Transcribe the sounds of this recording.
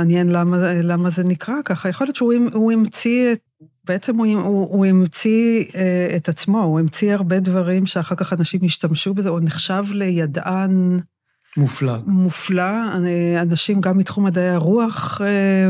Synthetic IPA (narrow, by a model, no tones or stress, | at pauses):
anjenlamalamaze̞nikʁakaχajeχoljo̞tt͡ʃʃeumuimt͡siet | beet͡semuuuimt͡sieetat͡smo̞uimt͡siaʁbedvaʁimʃeaχaʁkaχanaʃimiʃtamʃubezeuneχʃavle̞jadʔan | muflamuflaanaʃimɡamːitχumadajaʁuaχe